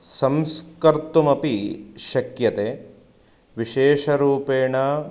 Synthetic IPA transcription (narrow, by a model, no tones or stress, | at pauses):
sɐmskɐɾt̪umɐpiʃɐkjɐt̪eː | ʋiʃeːʃɐɾuːpeːɳa